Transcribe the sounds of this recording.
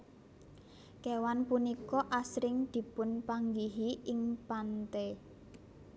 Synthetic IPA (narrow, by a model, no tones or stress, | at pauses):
kewanpunikɔʔasɾɪŋd̪̥i̤pʊnpaŋɡiɦiʔɪŋpant̪e